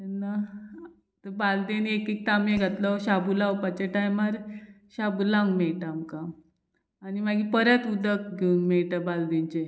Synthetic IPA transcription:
t̪enːa | t̪əbald̪enekik̚t̪ameɡʱat̪lɔɕabulawpat͡ɕaʈajmaɾ | ɕabulaŋɡmɛɭʈamkaː | nimaɡipəɾjat̪ud̪ək̚ɡʱeunmɛɭʈabald̪ent͡ɕe

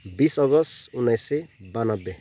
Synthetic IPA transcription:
bisɔɡɔsunajsebanɔbe

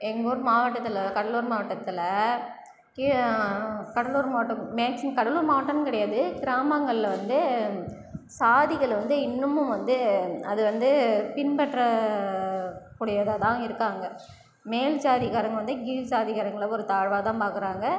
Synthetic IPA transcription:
ɛŋɡɔɾɯmaːʋɐʈːɐt̪ːɪlɐkɐɽɐluːɾmaːʋɐʈːɐt̪ːɪlɐ | k | kɐɽɐluːɾmaːʈːɐmeːksɪkɐɽɐluːɾmaːʋɐʈːɐnkɪɽɐjaːðɯɡɪɾaːmɐŋɡɐɭɪlʋɐnd̪ɯ | saːðɪɣɐɭʋɐnd̪ɯɪnːɯmʊ̃mʋɐnd̪ɯɐðɯʋɐnd̪ɯpɪnpɐʈɾɐ | kːuːɽɐjɐðaːt̪ãːɪɾɯkːaːŋɡɐ | meːld͡ʒaːðɪɣaːɾɐŋɡɐʋɐnd̪ɯɡiːlsaːðɪɣaːɾɐŋɡɐɭɔɾɯt̪aːɻʋaːt̪ãːpaːkɯɾaːŋɡɐ

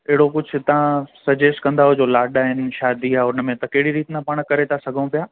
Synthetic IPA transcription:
ɪɦɪɽokʊd͡ʑʱʊt̪ɐɦãsɐd͡ʑeːsʈkɐ̃nd̪aɦod͡ʑolaːɖaːɦɪnɪ̆ʃaːd̪iaːʊn̆mẽt̪ɐkɐɦɪɽiɾiːt̪napɐɽ̃kɐɾet̪ʰasɐɡʱəũpijaː

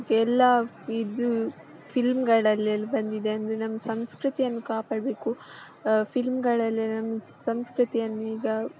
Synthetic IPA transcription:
kɛlːɐ | id̪u | pʰilmɡɐɭɐlːiɐlːibɐnd̪id̪eɐnd̪ɾenɐmːɐsɐmskɾɨt̪ijɐnːukaːpaːɖbe̞ːku | pʰilmɡɐɭɐlːinɐmːɐ | sɐmskɾut̪ijɐnːuiːɡɐ

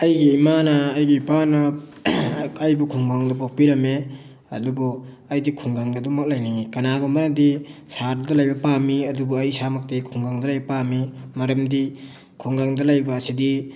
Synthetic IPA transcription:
ɐjɡiːmanɐːjɡipana | ajbukʰuŋɡaŋdɐbok̚piɾɐme | ɐ̰dubɔ | ɐjdikʰuŋɡaŋɡadumak̚lajniŋikɐnaɡɐmaɾɐmdisaɾdɐlajbɐpamiɐdubuajsamak̚tejkʰuŋɡaŋdɐlajbɐpamimɐɾɐmdi | kʰuŋɡaŋdɐlajbaːsidi

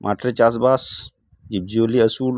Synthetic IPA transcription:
mʔa̰ːʈɾet͡ʃaːs̬baːs | d͡ʒib̚d͡ʒioːliɐsuːl

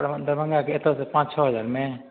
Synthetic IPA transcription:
ɽənd̪əɾbə̃ŋɡakeet̪əsepãːt͡ʃt͡ʃʰɔːɦəzaːɾmẽ

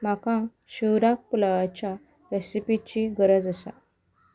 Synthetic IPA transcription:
m̤akã | ɕiwɾak̚pulaʋat͡ɕja | ɾesipit͡ɕiɡəɾəd͡zəsa̰

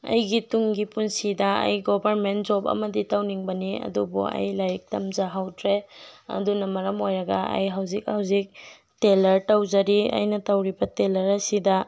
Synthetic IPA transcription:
ɐ̰jɡituŋɡipunsidɐɐ̰jɡobɐɾmentd͡ʒopɐ̰mɐditawniŋbɐniɐ̰dubṵɐ̰jlajk̚tɐmzaɦawtʰɾeɐ̰dunɐmɐɾɐmojɾɐɡɐɐ̰jɦawzik̚hawzik̚ | telɐɾtawd͡ʒɐɾiɐ̰jnɐtɐwɾibɐtelɐɾɐsidɐ

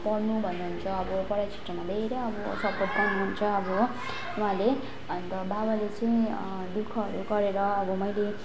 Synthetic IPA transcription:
pʌɽnubʱʌnːuɦunt͡sʰʌːbʌpʌɾajt͡sʰi̥ʈrʌmad̪ʱeɾʌjʌbʌsʌpoʈ̚pawnuɦunt͡sʰʌːbʌ | wɦãle | ʌnt̪ʌbabalet͡sʌĩ | d̪ukʰːʌɦʌɾuɡʌɾeɾʌːbʌmʌjle

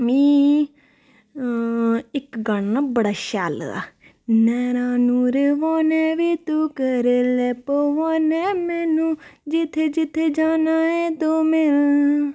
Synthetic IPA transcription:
mĩː | ɪkɡəɳnaːbəɽaːʃa̰ːla̰ː | nɛːɾãːnũːɾeʋoːneːʋiːt̪uːkəɾeːleːpoʋaːneːmɛːnũːd͡ʒɪt̪ʰːeːd͡ʒɪt̪ʰːeːd͡ʒaːnaːẽːt̪oːmeː

